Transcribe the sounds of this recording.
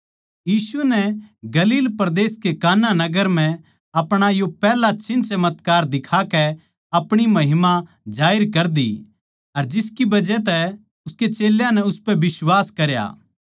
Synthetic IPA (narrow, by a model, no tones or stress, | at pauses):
jiːsunɛɡɐliːlpɾd̪eːskekaːnːanɐɡəɾm̤ɛ̃ | ɐpɽ̃ajopɛːlat͡ʃɪ̃nt͡ʃɐmət̪kaːɾd̪ɪkʰakɛ | ɐpɽ̃imɐɦɪma | d͡ʒaːɪɾkɐɾd̪ḭ | ɐɾd͡ʒɪskibɐd͡ʒɛt̪̬ɛ | ʊsket͡ʃeːljãnɛʊspɛbɪswaːskɐɾja̰ː